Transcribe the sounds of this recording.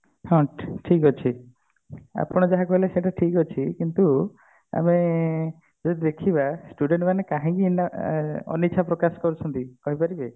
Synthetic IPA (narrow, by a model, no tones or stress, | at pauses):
hɔ̃ʈʰikɦot͡ʃʰi | a̰pɔɽ̃ɔd͡ʒaɦakɔɦileseʈaʈʰikɦot͡ʃʰikint̪u | a̰me | d͡ʒod̪id̪ekʰibasʈuɖeɳʈmanekaɦĩkienaɔ̰nit͡ʃʰapɾɔkasɔ̥kɔɾut͡ʃʰɔnt̪ikɔɦipaɾibe